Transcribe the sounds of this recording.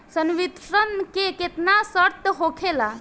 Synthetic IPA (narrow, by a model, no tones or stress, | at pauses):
sənʋit̪ɾənkeket̪nasəɾt̪ɦokʰela